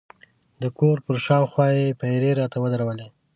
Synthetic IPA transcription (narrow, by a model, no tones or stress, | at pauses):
d̪əkoɾpəɾʃɑwxwɑjepajɾeɾɑt̪awəd̪aɾawəle